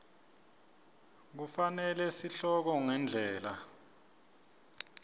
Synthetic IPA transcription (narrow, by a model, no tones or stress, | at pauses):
k̬ufanɛlɛsiɬɔk̬ɔŋɛnd͡ɮʱɛːla